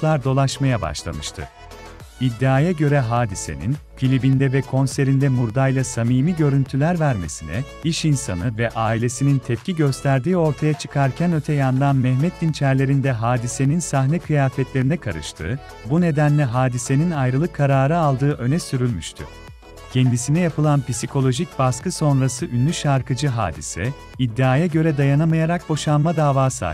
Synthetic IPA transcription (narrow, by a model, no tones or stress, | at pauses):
lˠaɾd̪o̞lˠaʃmajaba̰ʃlˠa̰mɯʃt̪ʰɯ̰ | id̪ːaːjaɟø̞ɾɛɦaːd̪ise̞̰nḭnfʰilʲibind̪ɛvɛkʰo̞nse̞ɾind̪ɛmuɾd̪ajlˠasamiːmiɟø̞ɾynt̪ʰylʲæɾvæɾmesinɛ̰ | iʃinsanɯvɛʔaːilʲe̞sinint̪ʰɛpcʰiɟø̞st̪ʰæɾd̪iːo̞ɾt̪ʰajat͡ʃʰɯ̥kʰaɾcʰænø̞t̪ʰɛjand̪anmɛhmɛt̪d̪int͡ʃʰæɾlʲe̞ɾind̪ɛɦaːd̪ise̞ninsaɦnɛkʰɯjaːfɛt̪lʲe̞ɾinɛkʰaɾɯ̰ʃt̪ʰɯ̰ː | bune̞d̪ænlʲɛɦaːd̪ise̞ninajɾɯlˠɯkʰːaɾaːɾɯalˠd̪ɯːʔø̞nɛsyɾylʲmyʃt̪ʰy̰ | cʰɛnd̪isinɛjapʰɯlˠanpisikʰo̞lʲˠo̞ʒic̚baskɯso̞nɾasɯʔynːʲyʃaɾkʰɯd͡ʒɯɦa̰ːd̪ḭsɛ̰ | id̪ːiaːjaɟø̞ɾɛd̪ajanamajaɾak̚bo̞ʃanmad̪aːvaːsa̰